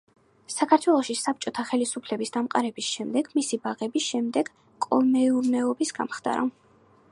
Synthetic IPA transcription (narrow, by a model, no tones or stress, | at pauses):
sakʰaɾt̪ʰwɛlˠɔʃisap̚t͡ʃʼɔt̪ʰaχɛlisupʰlɛbisd̪̥amqʼaɾɛbisʃɛmd̪ɛɡmisibaʁɛbisʃɛmd̪ɛɡ̥ | kʼɔmɛuɾnɛɔbisɡ̥a̰mχd̪a̰ɾa̰